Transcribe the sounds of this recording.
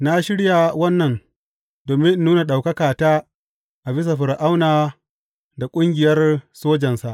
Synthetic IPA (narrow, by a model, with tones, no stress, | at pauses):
na˦ʃɪ˦ɽja˨wɐ˦nːɐ˨n | doː˨mɪ˦n˦nuː˦na˨ɗa˨wkɐ˦kaː˨taː˦ | ʔa˨bɪ˦s̬ɐ˨ɸɪ˨ɾʔa˦wnaː˨ | da˨kʷʼʊ˦ŋɡʲɪ˨jɐ˦rsoː˦d͡ʒɐ˨nsa˨ʔ